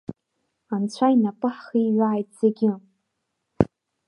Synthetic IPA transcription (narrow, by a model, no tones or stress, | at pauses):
ant͡ɕʷʰainapʼɨħχiɥaːjtʼz̥eɡʲɪ